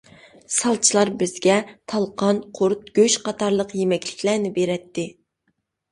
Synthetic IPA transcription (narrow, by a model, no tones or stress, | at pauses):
sɑlˠt͡ʃʰilˠɑɾbɪzɡʲɛt̪ʰɑlˠqʰɑnqʰʊɾt̪̚ɡ̥ʲøʃqʰɑt̪ʰɑɾlˠəqjemɛkʲlɪ̥kʲlæɾnɪbeɾɛt̪ːɪ